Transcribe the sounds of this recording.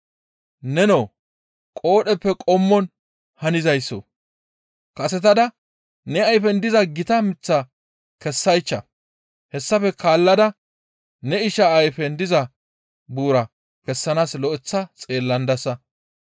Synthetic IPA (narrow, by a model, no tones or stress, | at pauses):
nɛnoː | kʼo̞ːɗɛpːɛkʼɔmːɔn | hɐnɪzɐjsːo̰ | kɐsɛt̪ɐd̪ɐ | nɛɐjfɛnd̪ɪzɐɡɪt̪ɐmɪt͡sːɐ | kɛsːɐjt͡ʃːɐ̰ | hɛsːɐfɛkʰaːlːɐd̪ɐ | nɛɪʃɐːjfɛnd̪ɪzɐ | buːɾɐ | kɛsːɐnaːslɔʔɛt͡sːɐt͡sʼe̞ːlːɐnd̪ɐsɐ